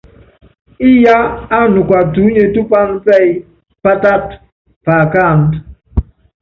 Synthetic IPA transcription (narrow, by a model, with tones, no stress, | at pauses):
i˦ja˦a˦nu˨kwa˨tu˨˦ɲe˨tu˦k͡pa˦ŋt͡sɛ˦˨j | pa˦ta˦t̚ | pa˨ka˦˨n